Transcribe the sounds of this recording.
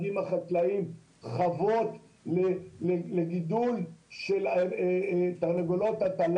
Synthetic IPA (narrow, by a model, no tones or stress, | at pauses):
imaχat̪laim | χavot̪ | leleleɡid̪ulʃel | t̪aʁneɡolo̞t̪at̪al